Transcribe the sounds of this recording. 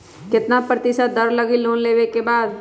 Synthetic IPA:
kɪt̪napɾət̪ɪsad̪əɾləɡiloːnleːʋekebaːd̪

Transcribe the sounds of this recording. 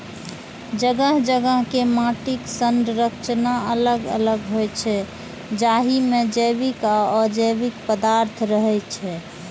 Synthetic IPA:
d͡ʒəɡəɦd͡ʒəɡəɦkemaʈiksənd̪ɾəkt͡ʃnaələɡə̰ləɡɦojt͡ʃʰɛ | d͡ʒaɦimed͡ʒəbikaɔd͡ʒəjbikpəd̪aɾt̪ʰɾəɦɛt͡ʃʰɛ

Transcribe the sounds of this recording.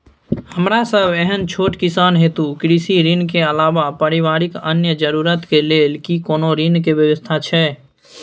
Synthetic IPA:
həmɾasəbɛɦənt͡ʃʰoːʈkɪsaːnɦeːt̪ukɾiːsiɾinkeəlaːʋapəɾɪʋaːɾɪkənjəd͡ʒəɾuːɾət̪keleːlkikoːnoɾinkeʋjəʋəst̪ʰat͡ʃʰɛː

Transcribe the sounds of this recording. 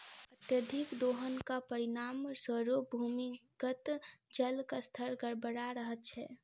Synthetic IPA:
ət̪jəd̪ʱikd̪oːɦənkapəɾinaːmsəɾobʱumikət̪d͡ʒəlkast̪ʰəɾɡəɾbəɽaɾəɦət̪̚t͡ʃʰɛ̰

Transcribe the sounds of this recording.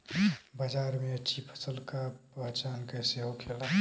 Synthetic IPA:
bəd͡ʒaːɾmeət͡ʃʰipʰə̥səlkaat͡ʃaːnkɛseɦokʰela

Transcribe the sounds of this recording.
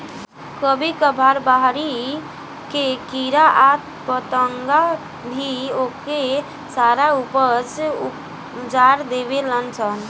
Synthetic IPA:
kəbʱikəbʱaɾbaɦɾi | kekiɾaʔat̪ | pət̪əŋɡa | bʱioke | saɾaupət͡ʃ | d͡ʒaɾd̪ebelənt͡ʃʰən

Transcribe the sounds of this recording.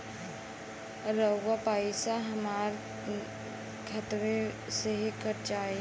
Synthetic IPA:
ɾəwʋapaːɪsaɦɐmaːɾ | kʰɐt̪ʋe | seɦikəɾt͡ʃaːe

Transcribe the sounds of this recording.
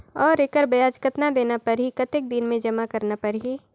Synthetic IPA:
ɔːɾekəɾbɐjaːd͡ʒkət̪nad̪eːnapɐɾɦikɐt̪ɪk̚d̪ɪnmẽd͡ʒɐmakɐɾnapɐɾɦi

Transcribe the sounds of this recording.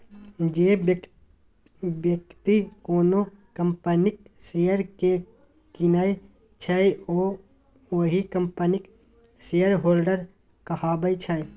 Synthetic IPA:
d͡ʒeː | bjək̚t̪ikoːno | kəmpənɪksejəɾke | kinaːe | t͡ʃʰaeo | oːɦikəmpənɪk | seːjəɾɦoːlɖəɾ | kəhaːbəjt͡ʃʰaj

